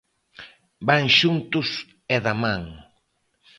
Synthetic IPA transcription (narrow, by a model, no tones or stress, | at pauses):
baŋʃunt̪ʊs | eðamãŋ